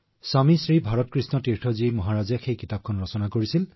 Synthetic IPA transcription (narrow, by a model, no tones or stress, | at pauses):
samisɹibʱaɹɔt̚kɹisnɔtiɹʈʰɔzimɔɦaɹazijaxʰejkitap̚kʰɔnɹɔsɔnakoɹisil